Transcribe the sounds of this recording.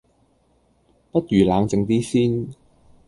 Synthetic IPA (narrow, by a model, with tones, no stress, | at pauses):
pɐ˥t̚jyː˨˩laː˨˧ŋt͡sɪ˨˧ŋt̪iː˥siː˥n